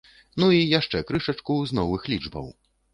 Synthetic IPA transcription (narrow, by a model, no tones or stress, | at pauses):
nuijaʂt͡ʂɛkɾɨʂɐt͡ʂkuznɔvɨxlʲid͡ʐbɐ̰w